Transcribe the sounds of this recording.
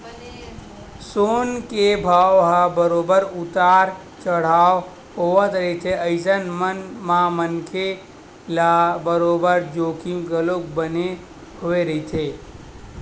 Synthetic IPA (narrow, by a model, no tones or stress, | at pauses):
soːnkebʱaːwɦabəɾoːbəɾʊt̪aːɾ | t͡ʃəɽ̤aːw | ɦoət̪ɾəit̪ʰeəɪsənmənmãmənkʰe | labəɾoːbəɾd͡ʒoːkimkəlok̚bəne | hoːeɾəit̪ʰe